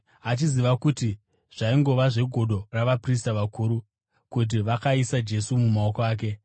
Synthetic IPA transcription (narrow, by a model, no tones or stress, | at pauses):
at͡ʃiziʋakuti | ʐ̥aiŋɡo̞ʋaʐe̞ɡʱo̞ɗo̞raʋapristaʋakʰuːɾu | kut̬iʋakaisad͡ʒe̞sumumao̞koaːk̬e̞